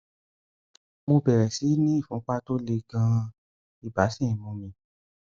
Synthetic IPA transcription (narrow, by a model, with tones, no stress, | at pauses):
mo˧bɛ˨ɾɛ˨si˨˦nĩ˦i˦˨fũ˨˦k͡pa˦to˦le˧ɡã˧ | i˦˨ba˨˦sĩ˦˨mũ˧mĩ˧